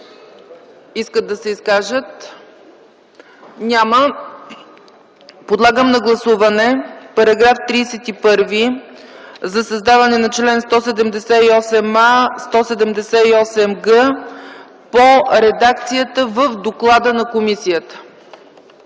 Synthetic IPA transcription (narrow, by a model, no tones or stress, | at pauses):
iskəd̪̚ɐsɛiskaʒət̪ | nʲamə | pod̪lˠaɡəmnɐɡlˠɐsuvɐnɛpɐɾɐɡɾaft̪ɾiːsɛt̪ipɤɾvi | zɐsəzd̪avɐnɛnɐt͡ʃlɛnst̪ɔsɛd̪ɛmd̪ɛsɛiɔsɛmast̪ɔsɛd̪ɛmd̪ɛsɛiɔsɛmɡə | poɾɛd̪ak̚t̪sijət̪əvəfd̪oklˠad̪ənɐkomisijət̪ə̥